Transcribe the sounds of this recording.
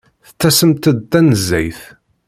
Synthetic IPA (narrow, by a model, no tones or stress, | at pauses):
θə̥t͡sːæsəmt̪əd̪̚t̪ːænəzːæ̰jθ